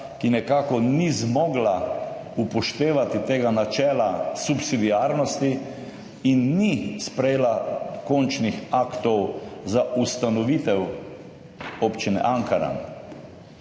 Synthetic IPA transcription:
kinɛkaːkɔnizmɔːɡlaupɔʃt̪eːʋat̪it̪eːɡanat͡ʃɛːlasupsid̪iaːɾnɔst̪i | inːispɾɛjeːlakɔnt͡ʃnixakt̪ɔwzaust̪anɔʋiːt̪ɛw | opt͡ʃinɛ̰ʔaŋkaɾa̰n

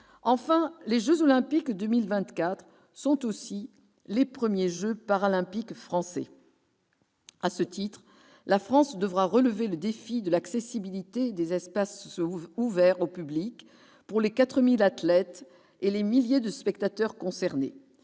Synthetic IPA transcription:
ɑ̃fɛ̃leʒøzolɛ̃pikd̪ømilvɛ̃t̪kat̪χ | sɔ̃t̪osi | lepχəmjeʒøpaʁalɛ̃pikfχɑ̃sɛ̰ | asət̪it̪χ | lafχɑ̃sd̪əvʁaʁələveləd̪efid̪əlaksesibilit̪ed̪ezɛspasuvɛʁopyblik | puʁlekat̪χəmilat̪lɛt̪ | elemiljed̪əspɛkt̪at̪œʁkɔ̃sɛʁnḛ

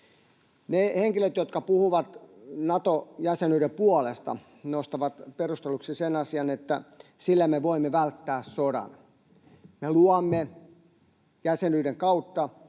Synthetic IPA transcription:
neheŋkilet̪jot̪kɑpuhuʋɑt̪nɑt̪ojæsenyːɾepuɑlest̪ɑ̰ | nost̪ɑʋɑt̪perust̪eluksisenɑsiɑnet̪ːæ | silːæmːeʋoimːeʋælt̪ːæːssodɑ̰n | meluɑmːe | jæsenyːdeŋkɑut̪ːɑ

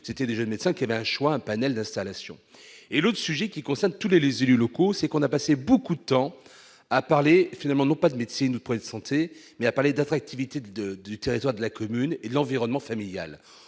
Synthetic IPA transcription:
set̪ɛd̪eʒənmet̪sɛ̃kʲiavɛɛ̃ʃwaɛ̃panɛld̪ɛ̃st̪alasjɔ̰̃ | elot̪χəsyʒɛkʲikɔ̃sɛʁnt̪ulelezelylɔkosɛkɔ̃napasebokud̪ət̪ɑ̃ | apaʁlefinalmɑ̃nɔ̃pad̪əmet̪sinud̪əpʰəid̪əsɑ̃t̪ʰemɛapaʁled̪at̪χak̚t̪ʰivit̪ed̪əd̪yt̪eʁit̪waʁd̪əlakɔmyned̪əlɑ̃viʁɔnmɑ̃familja̰l

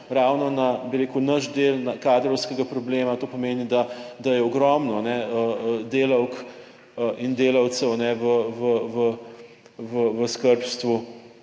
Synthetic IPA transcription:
ɾaːwnɔnabiɾeːkuʊnɐʃd̪eːlnakaːd̪ɾɔwskɛɡapɾɔbleːmat̪oːpɔmeːnid̪ad̪ajɛɔɡɾɔmnɔnɛəd̪eːlɐwk | ʔind̪eːlɐw̪səwnɛʋəʋəʋə | ʋəʋəskəɾpst̪ʋu

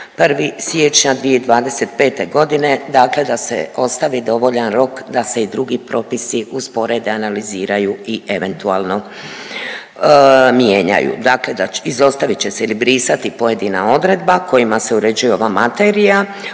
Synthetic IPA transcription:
prʋisjet͡ʃɲad̪ʋije̞id̪ʋaːd̪e̞se̞t̪pe̞ːt̪e̞ɡo̞d̪ine̞d̪aːkle̞d̪asḛo̞st̪aʋid̪o̞ʋo̞ʎanɾo̞kd̪ase̞id̪ɾuɡipɾo̞ːpisiʔuzpo̞ɾe̞d̪eanaliziːɾajuiʔeʋe̞nt̪uaːlˠno̞ | mjeːɲa̰jṵd̪aːkle̞d̪aizo̞st̪aʋit͡ɕe̞seilibɾiːsat̪ipo̞je̞d̪ina̰o̞d̪ɾe̞d̪bako̞jimase̞uɾe̞d͡ʒujeo̞ʋamat̪e̞ɾija

